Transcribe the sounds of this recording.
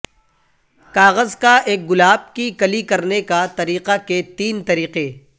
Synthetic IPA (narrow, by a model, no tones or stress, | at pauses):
kaːɣəzkaʔeːk̚ɡʊlaːb̚kikɐlikɐɾnekat̪ɐɾiːqaket̪iːnt̪ɐɾiːqe